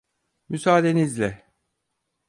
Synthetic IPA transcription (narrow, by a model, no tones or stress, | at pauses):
mysaːd̪e̞nizlʲɛ